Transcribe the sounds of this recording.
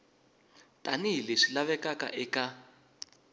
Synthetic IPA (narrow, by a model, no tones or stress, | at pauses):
tʼaniɦileʂilaβɛkakʼa̰ʔɛka